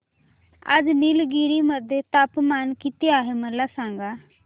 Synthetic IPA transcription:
ə̰d͡ʒnɪlɡiːɾiməd̪ʱet̪apmaːnkɪt̪eaːɦeməlːasãːŋ̆ɡaː

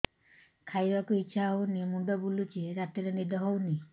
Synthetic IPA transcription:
kʰajbakuitːʃʰaɦownimuɖɔbulut͡ʃeɾat̪iɾenid̪ʱɔɦowni

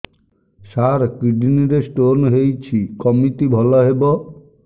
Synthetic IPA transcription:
ʃaɾkɾiɖiniɾesʈonɦejt͡ɕʰikɔmit̪ibʱɔlaɦebo

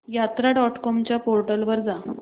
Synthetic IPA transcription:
jat̪ɾaɖɔʈkɔmt͡ɕjapoɾʈəlʋəɾd͡za

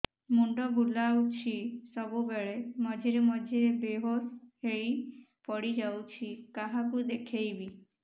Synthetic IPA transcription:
muɳɖɔbʱulawt͡ʃʰisɔbubeɭemɔd͡ʒʱiɾemɔd͡ʒʱiɾebeɦoɾheɭi | pɔɽid͡ʒawt͡ʃʰikaɦakud̪ekʰejbi

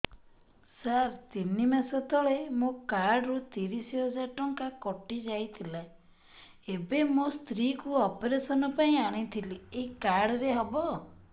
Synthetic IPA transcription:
saɾt̪inimasɔt̪ʰɔɭemokaɾɽɾut̪iɾisiɦɔd͡ʒaʈɔŋkakɔʈid͡ʒajt̪ʰila | ebemost̪ɾikuɔpɔɾesɔnɔpaĩaɽ̃it̪ʰilieɦikaɾɽɔɾeɦɔbɔ

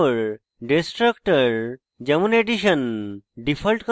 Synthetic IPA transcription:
ɾ | ɖesʈɾəkʈəɾ | d͡ʒɐmuneʈiʃənɖipʰəlʈk

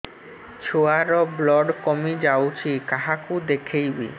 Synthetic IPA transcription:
t͡ʃʰoaɾɔblɔɖkɔmid͡ʒawt͡ʃʰikaɦakud̪ekʰejbḭ

